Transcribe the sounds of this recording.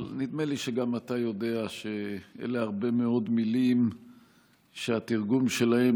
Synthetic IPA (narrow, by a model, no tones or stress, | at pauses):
lnid̪me̞liʃeɡamat̪ajo̞d̪e̞aʃe̞ḛleaʁbe̞me̞o̞d̪milim | ʃeat̪iʁɡumʃe̞lahe